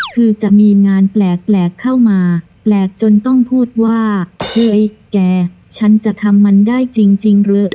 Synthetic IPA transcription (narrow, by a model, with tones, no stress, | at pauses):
kʰɯː˧t͡ɕa˨˩ʔmiː˧ŋaː˧nplɛː˨˩k̚plɛː˨˩kʰːa˥˩wmaː˧ | plɛː˨˩k̚t͡ɕo˧nt̪ɔ˥˩ŋpʰuː˥˩t̪̚waː˥˩ɯ˧ʔjkɛː˧˩ | t͡ɕʰa˦˥nt͡ɕa˨˩t̪ʰa˧mːa˧ndaː˥˩jt͡ɕi˧ŋt͡ɕi˧ŋɾɯ˦˥